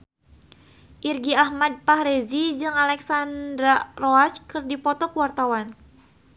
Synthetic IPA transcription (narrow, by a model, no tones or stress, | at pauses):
ʔirɡiahmad̚pahɾezid͡ʒɨŋalɛksandɾaroat͡ʃkɨrdipɔt̪ɔkəwart̪awan